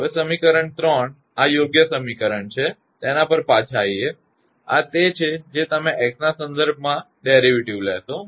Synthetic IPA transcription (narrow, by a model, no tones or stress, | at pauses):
ɦəʋesəmikəɾəɳt̪ɾəɳ | ajoɡjəsəmikəɾəɳt͡ʃʰe | t̪enapəɾpat͡ʃʰaje | a̰t̪et͡ʃʰed͡ʒet̪əmẽʔɛksnasənd̪əɾb̚ʱmã | ɖeɾiʋiʈiʋleɦt̪o